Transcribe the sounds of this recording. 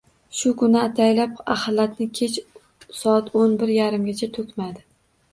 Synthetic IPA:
ʃʊkʰʊnɪat̪ʰajlapahalːat̪nɪkʲʰet͡ʃ | sɒat̪ʰonbɪɾjaɾɪmɡʲat͡ʃʰat̪ʰɵkʲmad̪ɪ

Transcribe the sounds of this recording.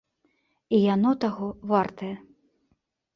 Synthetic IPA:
ijanɔt̪aɣɔvart̪ɐjɐ

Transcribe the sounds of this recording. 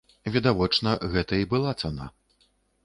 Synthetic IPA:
vʲid̪avɔt͡ʂnɐɣɛt̪ɐibɨlˠat̪sana̰

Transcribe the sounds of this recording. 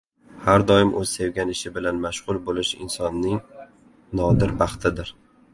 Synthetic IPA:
haɾd̪ɒɪmʔɵz̥sewɡʲanɪʃɪbɪlanmaʃʁʊlˠbolɪʃɪ̰nsɒnːɪŋ | nɒd̪ɪɾbɑχt̪ʰɪd̪ɪɾ

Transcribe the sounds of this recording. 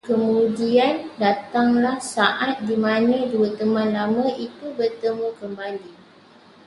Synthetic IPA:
kəmũdiandat̪aŋlahsaʔat̪̚dimãnə̃duət̪əmãnlamə̃ʔit̪ubərt̪əmukəmbali

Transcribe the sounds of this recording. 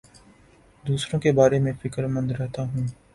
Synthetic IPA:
d̪uːsɾõkebaːɾemẽfɪkəɾmə̃nd̪ɾɛɦt̪aɦũː

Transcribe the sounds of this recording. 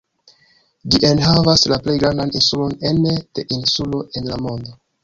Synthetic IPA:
d͡ʒiʔenɦavaslaple̞jɡɾandaninsulo̞nend̥e̞ʔinsulo̞ʔe̞nlamo̞ndo̞

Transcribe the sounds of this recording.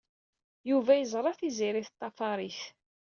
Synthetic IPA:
juvæjəzˤɾˤɑθiziɾiθt̪ˤːɑfɑɾˤiθ

